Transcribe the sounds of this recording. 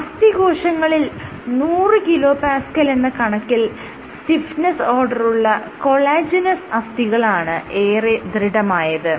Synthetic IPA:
ɐst̪iɡo̞ːʂɐŋːɐɭil | nuːrɨkilo̞ːpaːskɐlenːɨkɐɳɐkːil | st̪ifnɐso̞ːrɖɐruɭːɐko̞ɭaːd͡ʑinɐsɐst̪iɣɐɭaːɳɨe̞ːred̪riɽɐmaːjɐðɨ

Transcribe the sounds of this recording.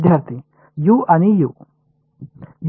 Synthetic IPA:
d̪ʱjɐɾt̪i | juʔɐniju | j

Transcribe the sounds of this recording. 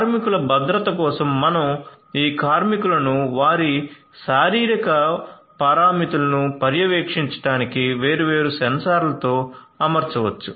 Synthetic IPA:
kːɾmikulɐbɐd̪ɾɐt̪ɐkɔːsɐmːɐnɐm | iːkaːɾmikulɐnuʋaːɾi | ʃaːɾiːɾikɐ | pɐːɾaːmit̪ulɐnupɐɾjɐʋeːkʂiɲt͡ʃɐ̥ʈaːnikiʋe̞ːɾuʋe̞ːɾusɐnsaːɾlɐt̪o̞ː | ɐmɐɾt͡ʃɐʋɐt͡ʃːu

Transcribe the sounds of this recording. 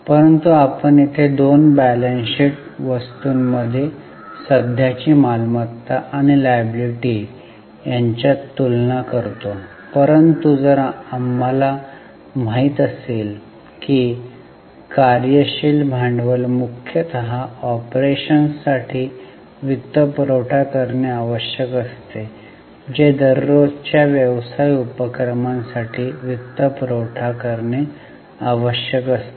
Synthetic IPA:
pəɾənt̪uapəɳit̪ʰed̪onbælenɕiʈʋəst̪uːnməd̪ʱːje | səd̪ʱjat͡ɕiːmalmat̪ːaʔaɽ̃ilajəbliʈiː | jaɲt͡ɕjat̪ulnakəɾt̪o | pəɾənt̪ud͡zəɾaamːala | maɦit̪əsel | kiː | kaɾjəɕilbʱaɳɖʋəlmukʰjət̪əɦaɔpɾeɕənsaʈʰiː | ʋit̪ːəpɾoʈʰakəɾɳeaʋəɕjəkəst̪e | d͡ʑed̪əɾːot͡ɕjaʋjəʋsajupəkɾəmãnsaʈʰiːʋit̪ːəpɾoʈʰakəɾɳe | aʋəɕjəkəst̪e

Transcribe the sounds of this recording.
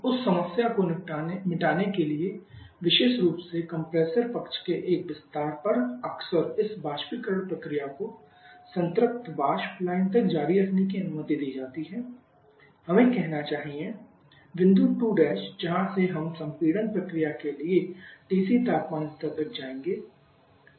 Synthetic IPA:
ʊsːɐməsjakonmɪʈaːnekelie | ʋɪʃeːʃɾuːpsekɐ̃mpɾeːsəɾpɐkt͡ʃkeʔeːk̚bɪst̪aːɾpɐɾɐksəɾɪsbaːʃpɪkɾəɽpɾɐkɾijako | sə̃nt̪ɾɪk̚t̪baːʃplaːɪnt̪ɐk̚d͡ʒaːɾiɾɐkʰnekiɐnʊməd̪id̪iːd͡ʒaːt̪iɦɛ̃ː | hɐmẽkɛɦnat͡ʃaːɦiẽ | ʋɪ̃nd̪uʈuːɖɛːʃd͡ʒɐɦãseɦɐmsɐ̃mpiːɽənpɾɐkɾijakelieʈeːsit̪aːp̪maːnɪst̪əbʱɪk̚d͡ʒaːẽːŋɡeː

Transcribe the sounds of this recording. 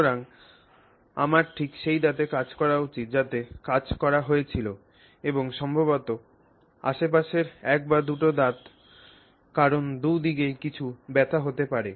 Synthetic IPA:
ɾaŋ | a̰maɾʈʰikʃejd̪at̪ekad͡ʑkɔɾaut͡ɕit̪̚d͡ʑat̪ekad͡ʑkɔɾaɦoet͡ɕʰilo | eboŋʃɔmbʱobot̪o | a̰ʃep̬aʃeɾɛk̚bad̪uʈod̪at̪ | kaɾond̪ud̪iɡejkit͡ɕʰubɛt̪ʰaɦot̪epaɾe

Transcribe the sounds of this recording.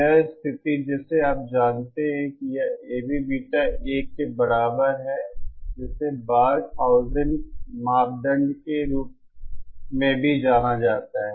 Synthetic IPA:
ɛst̪ʰɪt̪id͡ʒɛːseaːp̚d͡ʒaːnt̪eɦɛ̃kijaeːbʱibiːʈaeːkːebɐɾaːbəɾɦɛd͡ʒɪsebaːɾt̪ʰaːʊzə̃ɳɖmaːp̚d̪ə̃ɳɖkeɾuːp̚ | mẽbʱid͡ʒaːnad͡ʒaːt̪aɦɛ

